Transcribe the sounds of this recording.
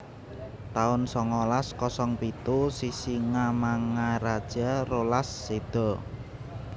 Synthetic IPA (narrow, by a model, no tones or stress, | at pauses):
t̪aʊnsɔŋɔlaskɔsɔŋpit̪usisiŋamaŋaɾad̥ʒ̥a̤rolasːed̪̥ɔ̤